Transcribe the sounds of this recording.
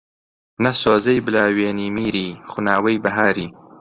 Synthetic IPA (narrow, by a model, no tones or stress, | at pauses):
nɐsoːzɐjbɨlaːweːniːmiːɾiːχʊnaːwɐjbɐɦaːɾiː